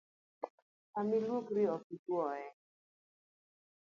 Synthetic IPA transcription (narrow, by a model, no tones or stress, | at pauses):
amilukɾiɔkitwɔɛ